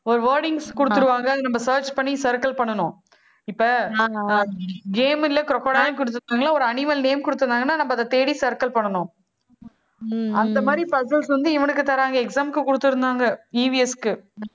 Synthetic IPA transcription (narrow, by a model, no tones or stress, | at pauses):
ɔɾɯʋɐːɾɽɪŋɡskʊɽɯt̪ːɯɾɯʋaːŋɡɐɐðɯnɐmbɐsɐːɾt͡ʃpɐɳːisɐɾkɐlpɐɳːɐnʊ̃ː | ɪpːɐ | ɡeːmɪlɐkɾɔkːɐɽaːjɐ̃kʊɽɯt̪̬ːɯɾnd̪aːŋɡɐɭlːaːɔɾɯɐnɪmɐlneːmkʊɽɯt̪ːɯɾɯnaːŋɡɐnːaːnɐmbɐðɐt̪eːɽisɐɾkɐlpɐɳːɐnʊ̃ː | ɐnd̪ɐmaːd̪ɾipɐsɐlsʋɐnd̪ɯɪʋɐɳɯkːɯt̪ɐɾaːŋɡɐɛksaːmkɯkʊɽɯt̪ːɯɾɯnd̪aːŋɡɐiʋiɛskɯ